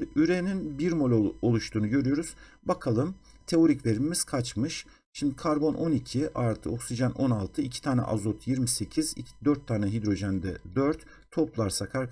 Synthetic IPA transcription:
d̪iʔyɾeninbiɾmo̞lʲoolˠuʃt̪ʰuːnuɟø̞ɾyjo̞ɾuz̥bakʰalˠɯm | t̪ʰe̞o̞ɾiclʲe̞ɾimiz̥kʰat͡ʃmɯʃ | ʃimd̪ikʰaɾbo̞nʔo̞nicʰiʔaɾt̪ʰɯ̰o̞ksid͡ʒanʔo̞nalˠt̪ʰɯicʰi̥t̪ʰaːnɛ̰ʔa̰zot̪ʰjiɾmise̞cʰizid̪øɾt̪ʰːaːnɛɦid̪ɾo̞ʒænd̪ɛ̰d̪øɾt̪ʰː | o̞plˠaɾsakʰaɾ

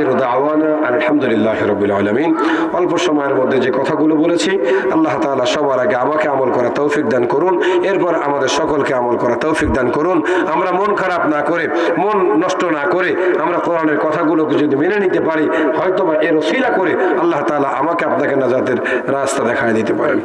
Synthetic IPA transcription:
ɾd̪awanaʔanelhamd̪ulilːaːɦiɾɔbːilaːlamin | ɔlpoʃɔmɔjeɾmod̪ʱːed͡ʑekɔt̪ʰaɡulobolet͡ɕʰi | ɐlːaɦt̪aːlaʃɔbaɾaɡeamakeamolkɔɾat̪owfik̚d̪ankoɾuneɾpɔɾamad̪eɾʃɔkolkeamolkɔɾat̪owfik̚d̪ankoɾun | amɾamonkʰaɾabnakoɾe | monːɔʃʈonakoɾeamɾakoɾaneɾkɔt̪ʰaɡuloked͡ʑod̪iminenit̪epaɾi | hɔjt̪obaʔeɾosilakoɾeɐlːaɦt̪aːlaʔamakeapnakenad͡ʑat̪eɾ | ɾast̪ad̪ɛkʰajd̪it̪epaɾḛn

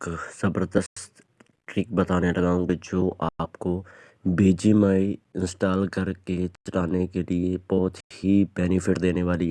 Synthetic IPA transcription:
kz̥ɐbəɾd̪əstt̪ | ʈɾik̚bɐt̪aːnelɐɡaːũŋɡed͡ʒoːʔaːpko | beːd͡ʒimaːiɪ̃nsʈaːlkɐɾket͡ʃɐlaːnekeliebɔɦʊt̪hibɛːnɪfʰɪʈd̪eːneʋaːli

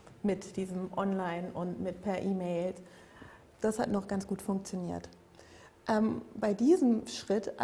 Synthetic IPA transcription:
mɪtd̥iːzəmʔɔnlaɪnʔʊntmɪtpʰɛɐʔiːmeɪl | d̥ashatnɔχɡ̥ansɡ̥uːtfʊŋk̚t͡sjoniːɐt | ʔɛːmbaɪdiːzəmʃʁ̥ɪtʔ

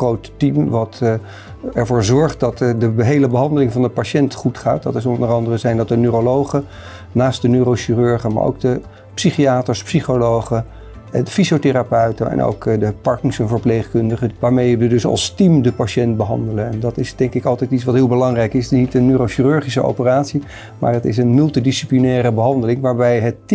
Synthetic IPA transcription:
χrowttimʋɑt | ɛɹvʊːɹzɔɹχt̚dɑtdəbəɦejləbəɦɑndəlɪŋvɑndəpaʃɛntχutχa̰ːt̚dɑtɪs̬ɔndərɑndərəzɛjndɑt̚dənøːrolowχə | naːst̚dənøɾoʃirøɹχəma̰ːɹo̰wɡ̚də | psiχiaːtəɹspsiχolowχə | dəfisotɪɾapœɥtənɛ̰nʔo̰wkdəpɑɹkɪŋsənvəɹplejχkɵndəχəʋaːɹmejəʋədɵsɑ̰lˠstimdəpaʃɛntbəɦɑ̰ndələnɛndɑtɪsd̥ɛŋkɪkɑlˠtɛjtitsʋɑtɦɪːlˠbəlɑŋrɛjkɪsnitənːøːɾowʃirøɹχisəo̰wpəraːtsi | ma̰ːɹɦətɪ̰sənmɵlˠtidisiplinɛːɾəbəɦɑndəlɪŋʋaːɹbɛjɦət

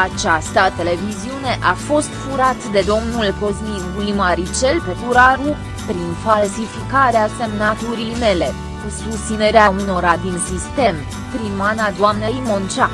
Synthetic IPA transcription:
at͡ʃast̪at̪e̞le̞viziune̞ʔafo̞st̪fuɾat̪d̪e̞d̪o̞mnulkozniɡulimaɾit͡ʃe̞lpe̞kuɾaɾu | pɾinfalsifikaɾease̞mnat̪uɾijme̞le̞ | kusust̪sine̞ɾeauno̞ɾad̪insist̪e̞m | pɾimmanad̪oamnejmont͡ʃa

